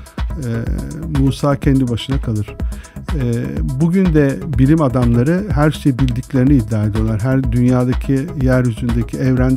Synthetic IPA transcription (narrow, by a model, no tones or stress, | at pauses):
ɛmuːsaːcʰɛnd̪ibaʃɯnakʰalˠɯɾ̥ɛbuɟynd̪ɛbilʲimad̪amlˠaɾɯɦæɾʃe̞jibilʲd̪iclʲe̞ɾiniːd̪ːaːed̪ʲijo̞lˠaɾɦæɾd̪ynjaːd̪acʰijæɾjyzynd̪ecʰiɛvɾæn